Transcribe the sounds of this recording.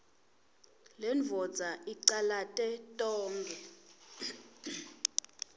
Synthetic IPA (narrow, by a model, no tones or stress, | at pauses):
lɛɱvʱɔdd͡zʱaʔiǀalatʼɛtʼɔːŋɡʱɛ